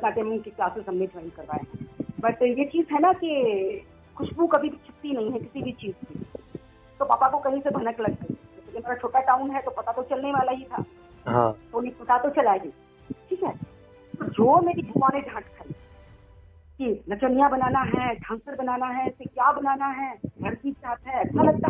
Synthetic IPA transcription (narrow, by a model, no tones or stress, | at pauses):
t̪naʈ̪emə̃kikaːsesɐmned͡ʒ̪ʱəːnkɐɾpa̰ːeɦɛ̃bɐʈjet͡ʃiːzɦɛnaki | xʊʃbukɐbʱibʱit͡ʃʰɪpt̪ːinɐɦĩɦɛ̃kɪsibʱit͡ʃiːzki | t̪oba̰ːpakokɐɦĩsebʱɐnəklɐɡːɐi | okemeːɾat͡ʃʰoːʈaʈaːʊnɦɛt̪opɐt̪at̪ot͡ʃɐlneʋaːlaɦit̪ʰa̰ː | ɦã̰t̪oʊnẽpɐt̪at̪ot͡ʃɐlaːeɡiː | ʈʰiːkɦɛː | t̪od͡ʒoːmeːɾibʱukãːnẽɖʱãːʈkʰɐli | kinɐt͡ʃənijabɐnaːnaɦɛʈʰãːŋsəɾbɐnaːnaɦɛ̃sekjaːbɐnaːnaɦɛɡʱɐɾsit͡ʃaːɦət̪ɦɛɐtːʃʰalɐɡ̚t̪a